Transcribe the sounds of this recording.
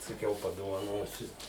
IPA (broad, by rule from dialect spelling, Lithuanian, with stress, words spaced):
sɐˈkʲɛʊ pɐdoːʋɐˈnoːsʲʊ